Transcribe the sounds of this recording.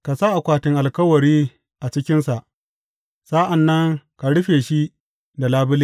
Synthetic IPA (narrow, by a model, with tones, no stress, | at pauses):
ka˨sa˦ʔa˨kʷaː˨tɪ˦ŋʔa˨lkɐ˦wɐ˨ɾiː˦ | ʔa˨t͡ʃɪ˦kʲɪ˦nsa˨ʔ | sa˦ʔa˨nːɐ˦ŋka˨ɽʊ˦ɸeː˨ʃi˦ | da˨laː˦bɪ˦li˦